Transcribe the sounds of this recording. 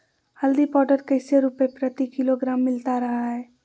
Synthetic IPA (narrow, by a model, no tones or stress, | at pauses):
həld̪ipɔʈəɾkəɪseɾupepɾət̪ikiloɡɾamːilt̪aɾəɦaɛ